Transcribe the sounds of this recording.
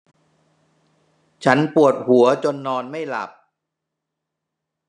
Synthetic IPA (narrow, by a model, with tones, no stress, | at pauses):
t͡ɕʰa˦˥npu˨˩ət̪̚hu˩˦ɐt͡ɕo˧nːɔː˧nma˥˩jla̰˨˩p̚